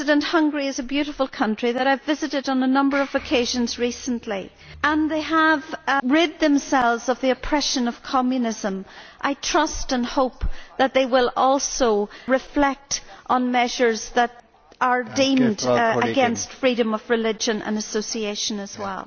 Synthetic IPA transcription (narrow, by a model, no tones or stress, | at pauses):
zɨdə̃nʔhʌ̃ŋɡɹiɨzəbjʉɾəfəlˠkʰʌ̃nt͡ʃɹ̥iðəɾaɪvɪzɨɾɨɾn̩ənʌ̃mbə˞ʌvɨkʰeɪʒə̃nzɹisə̃n̩ʔli | ʔə̃nðeɪəvɹɪd̪̚ðə̃msɛlˠvzʌvðiɨpʰɹ̥ɛʃə̃nʌv̥kʰɑmjɨnɪzə̃mʔaɪtʰɹ̥ʌstə̃nhoʊpðət̪̚ðeɪwɪlˠɔlˠsoʊɹɨflɛk̚tʔn̩mɛʒə˞zðəɾ | ʔə˞dĩmdəɡɛ̃nstfɹiɾɨ̃mʌvɹɨlɪd͡ʒə̃nə̰̃nəsoʊsieɪʃə̃nəz̥wɛ̰lˠ